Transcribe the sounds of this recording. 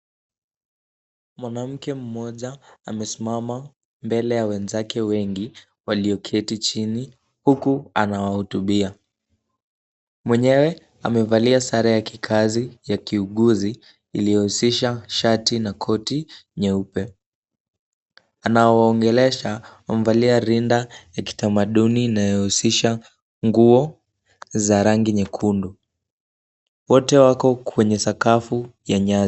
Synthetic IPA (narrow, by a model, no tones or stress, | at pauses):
mwanam̩kɛm̩mɔʄaːmɛsimama | mbɛlɛjawɛnzakʰɛwɛŋɡi | waliɔkʰɛtit͡ʃini | hukuanawahutuɓia | mwɛɲɛwɛ | a̰mɛvaliasaɾajakikʰazijakiuɠuzḭː | lijɔhusiʃaʃatinakʰɔtiɲɛupɛ | anaɔwaɔŋɡɛlɛʃaam̩valiaɾindajaki̥tamaɗuniːnajɔhusiʃa | ŋɡuɔ | zaɾaŋɡiɲɛkʰundu | wɔtɛwakɔkʰwɛɲɛsakafujaɲaz